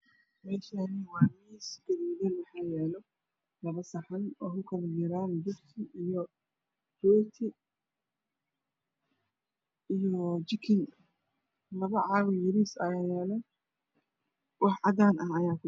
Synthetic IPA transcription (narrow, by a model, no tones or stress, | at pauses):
mɛːʃanɪwɑːmiːsɡɐɾiːðɐmɑħaːjɛːlɔ | lɐβɐsɐħɐnɔːkʊkʰɐlɐd͡ʒɪɾaːnd͡ʒʊft̪ʰɪʔijɔ | rɔːt̪ʰɪ | ijɔɔd͡ʒɪkʰɪn | lɐβɐʕɑβɪjɪɾiːsɐjaːjɛːlɛ | wɑħʕɑd̪aːnɐhɐjaːkʊ